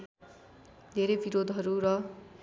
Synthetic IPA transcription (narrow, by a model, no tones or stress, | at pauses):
d̪ʱeɾebiɾod̪ʱɦʌɾurʌ